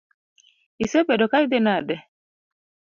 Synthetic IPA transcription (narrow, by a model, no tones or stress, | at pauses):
isɛbɛdɔkaidɛnadɛ